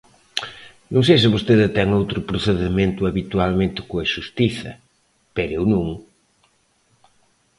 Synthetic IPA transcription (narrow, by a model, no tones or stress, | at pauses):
nõŋ̃sejs̬ɪβost̪eðɪt̪ɛŋowt̪ɾʊpɾoθeðɪmẽnt̪ʊɐβit̪ualmẽnt̪ɪ̥koɐʃust̪iθɐ̰ | peɾewnũŋ